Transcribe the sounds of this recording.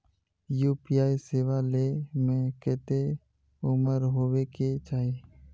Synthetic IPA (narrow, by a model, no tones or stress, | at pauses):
juːpiaːiseːʋalemẽkɛːt̪e | ʊməɾɦoːweket͡ʃaːɦe